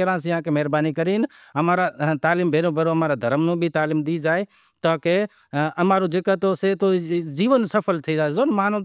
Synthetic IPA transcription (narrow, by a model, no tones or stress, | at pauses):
əɾãsjãkemɛɦɾbaːnikəɾiːn | ɦəmaːɾat̪aːliːmbʱeːnõbʱeːɾoɦɐmaːɾad̪ʱəɾmnũbʱit̪aːliːmd̪id͡ʒaːe | t̪aːke | əmaːɾud͡ʒeːkat̪oset̪od͡ʒiːʋənsəpʰəlt̪ʰid͡ʒaːezoːnmaːnõ